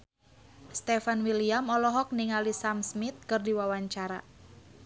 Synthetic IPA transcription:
st̪ɛfanwiliamɔlɔɦɔk̚niŋalisamsmit̪̚kɨrdiwawaɲt͡ʃaɾa

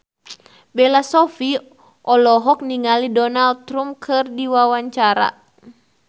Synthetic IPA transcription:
bɛlasɔfi | ʔɔlɔɦɔk̚niŋalidɔnal̚t̪ɾumkʰɨrdiwawaɲt͡ʃaɾa̰

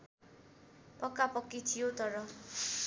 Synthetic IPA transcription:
pʌkːapʌkːit̪ʰijot̪ʌɾʌ

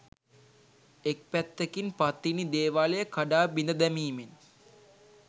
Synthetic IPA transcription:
ek̚pæt̪ːekinpat̪ːinid̪eːʋaːlejəkaɖaːbind̪əd̪æmiːmen

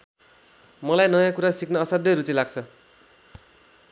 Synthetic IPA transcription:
mʌlajnʌjãkuɾasikʰnʌʌsʌd̪ʌjɾut͡silaɡ̚t͡sʰʌ

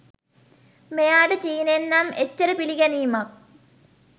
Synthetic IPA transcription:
mejaːɖɨt͡ɕiːnenːamet͡ɕːɐɾɨpiliɡɐnijmak̚

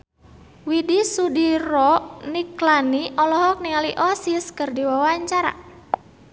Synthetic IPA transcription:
widisudiɾɔniklaniʔɔlɔɦɔk̚niŋaliʔɔsiskərdiwawaɲt͡ʃaɾa̰

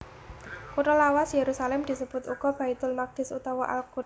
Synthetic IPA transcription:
kuʈɔlawasjeɾusalɛmd̪̥i̤səb̥ʊt̪uɡ̥ɔ̤b̥ait̪ʊlmaɡ̚d̪̥ɪ̤sṵt̪awɔʔa̰lku

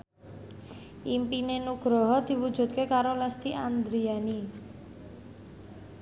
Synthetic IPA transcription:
ʔimpinenuɡ̥ɾɔɦɔd̪̥i̤wud̥ʒ̥ṳt̪̚kekaɾolɛst̪iʔand̪ɾiani

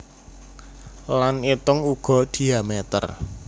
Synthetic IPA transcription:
lanit̪ʊŋuɡ̥ɔ̤d̪̥i̤amet̪ə̰r

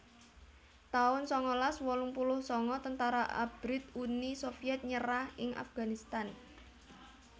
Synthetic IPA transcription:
t̪aʊnsɔŋɔlaswɔlʊŋpulʊhsɔŋɔt̪ənt̪aɾaʔa̰b̥ɾɪt̪̚unisofiɛt̪̚ɲəɾahɪŋʔa̰fɡ̥anist̪an

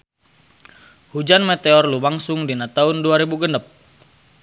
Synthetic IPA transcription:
hud͡ʒanmɛt̪eɔrlumaŋsʊŋdinat̪aunduaɾibuɡənəp̚

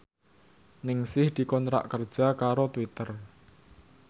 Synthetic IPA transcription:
nɪŋsɪhd̪̥i̤kɔnt̪ɾa̰ʔkər̥ʒ̥a̤kaɾot̪wit̪ər

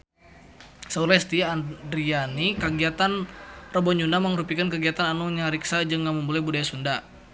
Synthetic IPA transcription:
saulɛst̪iːndɾianikəɡiat̪anrəbɔɲd͡ʒunaməŋɾupikankəɡiat̪ananuɲaɾiksad͡ʒɨŋːaməmbulajbudajasunda

